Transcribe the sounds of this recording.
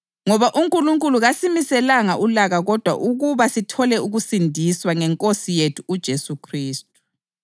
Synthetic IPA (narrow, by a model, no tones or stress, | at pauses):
ŋɔβaʔuŋkʼuluŋkʼuluɣasimisɛlaŋaʔulaɣaɣɔd̥ʱwa̰ʔuɣuβasitʰɔlɛuɣusindʱiswaŋɛŋkʼosijetʰuːd̥ʒ̥ʱesukʰriːst̚ʼu̥